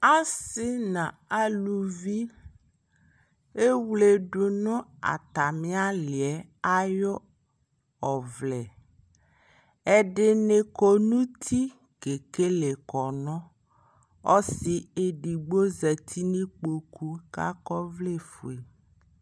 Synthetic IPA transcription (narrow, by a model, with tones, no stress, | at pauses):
a˦sɪ˦nã˨a˦lu˨vi˦ | e˦wle˨ɖʊ˨nʊ̃˦a̰˨t̪a˨mĩ˦a˦lɪ˨ɛ˨ | a˦jɔ˦ | ɔ˨vlɛ˨ | ɛ˦ɖɪ˦ne˨ko˦nũ˦t̪ʰi˦ | ke˨ke˦le˨kɔ˨nɔ̃˦ | ɔ˦si˨e˨ɖi˨ɡ͡bo˦zɛ˨t̪ʰi˦nĩ˦k͡po˨ku˦ka̰˦kɔ˦vle˦fo˨e˨